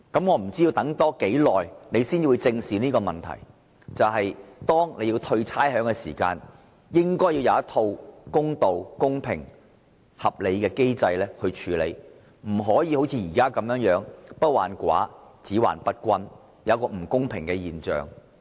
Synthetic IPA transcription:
kɐ˨˥mŋɔː˨˧m̩˨˩t͡si˥ji˧wt̪ɐ˨˥ŋt̪ɔː˥ke˨˥jlɔː˨jne˨˧jsiː˥nt͡si˧wu˨˧jt͡sɪ˧ŋsiː˨˥niː˥kɔː˧mɐ˨˩nt̪ʰɐ̰˨˩j | t͡sɐ˨wɦɐ˨jt̪ɔː˥ŋle˨˧jiː˧wt̪ʰɵ˧ɥt͡sʰaː˥jhœː˨˥ŋkɛː˧sḭː˨˩ka̰ː˧n | jɪ˥ŋkɔː˥jːi˧wjɐ˨˧wjɐ˥t̪ʰo˧wkʊ˥ŋt̪o˨wkʊ˥ŋpʰɪ̰˨˩ŋ | hɐ˨p̚le˨˧jkɛː˧ke˥jt͡sɐ˧jlɛː˥hɵ˧ɥt͡ʃʰyː˨˧lḛ˨˧j | m̩˨˩ɦɔː˨˥jiː˧ho˨˥wt͡sʰiː˧jiː˨˩kaː˥kɐ˨˥mjœː˨˥ŋjœː˨˥ŋpɐ˥t̚wa̰ː˨˩nkʷa̰ː˨˥t͡siː˨˥wa̰ː˨˩npɐ˥t̚kʷɐ˧n | jɐ˨˦˥kɔː˧m̩˨˩kʊ˥ŋpʰɪ˨˩ŋkɛː˧jiː˨nt͡ʃœ̰ː˨˩ŋ

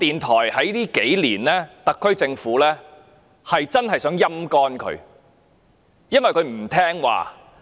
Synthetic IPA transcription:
t̪iː˨nt̪ʰɔː˨˩jhɐ˨˥jliː˥ke˨˥jliː˨˩nlɛː˥t̪ɐ˨kʰːɵ˥ɥt͡sɪ˧ŋfuː˨˥lɛː˥ | hɐ˨jt͡sɐ˥nhɐ˨jsœː˨˥ŋjɐ˥mkɔː˥nkʰɵ̰˨˧ɥ | jɐ˥nwɐ˨jkʰɵ˨˧ɥm̩˨˩t̪ʰɛː˥ŋwa̰ː˨

